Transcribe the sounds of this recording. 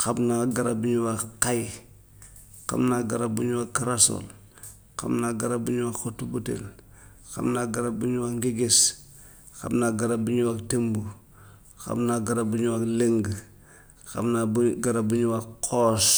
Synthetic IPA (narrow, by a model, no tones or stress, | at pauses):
xabnaɡaɾabuɲuwaqaj | qa̰mnaɡaɾabuɲuwakaɾaso̰l | ka̰mnaɡaɾabuɲuwakotubutḛl | xa̰mnaɡaɾabuɲuwaŋɡeɡes | xa̰bnaɡaɾabuɲuwaktembu | xa̰bnaɡaɾabuɲuwakleŋɡ | xa̰bnaɡaɾabuɲuwaqʰoːs